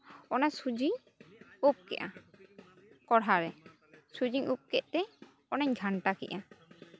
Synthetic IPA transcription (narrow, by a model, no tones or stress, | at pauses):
ɔnasud͡ʒiɲ | up̚kɛ̰ʔa | kɔɽɦaɾɛ | sud͡ʒiɲup̚kɛʔ̚t̪ɛ | ɔnaɲɡʱaɳʈakɛ̰ʔa